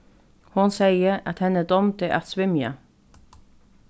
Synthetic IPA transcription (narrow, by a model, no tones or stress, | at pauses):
hʊnsæɪəɾɑt̪hɛnəd̪ɔmt̪ɛʔɑt̪sʋɪmjə̰